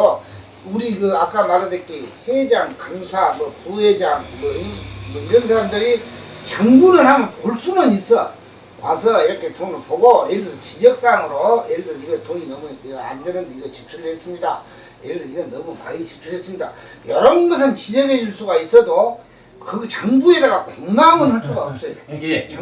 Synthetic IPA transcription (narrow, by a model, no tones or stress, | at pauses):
o | uɾikɯak͈amaɾadek͈ihed͡ʑaŋkamsʰamwʌpuhed͡ʑaŋmʌmʌiɾʌnsʰaɾamdɯɾit͡ɕaŋbuɾɯɭhamɯnpoɭs͈unɯnis͈ʌ | wasʰʌiɾʌkʰe̞tʰonɯɭpoɡoeɭtʰʌt͡ɕid͡ʑʌk̚s͈aŋɯɾoiɾtʰʌniɡʌtoɲinʌmuɡa̰ndenɯndeiɡʌt͡ɕit͡ɕʰuɾɯɭhe̞s͈ɯmɲida̰ | iɾɯɭdʰʌniɡʌnnːʌmuma̰jit͡ɕit͡ɕʰuɭɦe̞s͈ɯmɲida̰ | jʌɾʌnɡʌs̬ʰɯnt͡ɕid͡ʑʌɡe̞d͡ʑiɭs͈uɡais͈ʌdo | kɯt͡ɕaŋbue̞daɡakoŋnamɯnhaɭs͈uɡaʌp̚s͈ʌjoa